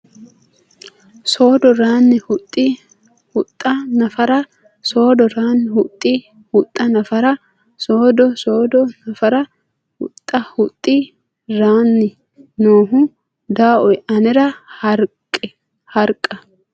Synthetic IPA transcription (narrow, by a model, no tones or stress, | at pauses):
so̞ːd̪ɔɾaːnːɪhʊt̪ʼːi | hʊt̪ʼːɐnɐfɐɾɐ | so̞ːd̪ɔɾaːnːɪhʊt̪ʼːi | hʊt̪ʼːɐnɐfɐɾɐ | soːd̪ɔso̞ːd̪ɔnɐfɐɾɐ | hʊ̰t̪ʼːɐhʊt̪ʼːi | ɾaːnːɪ | noːɦʊ | d̪aːʔɔjɐnɛɾɐhɐɾkʼːɛ | hɐɾkʼːɐ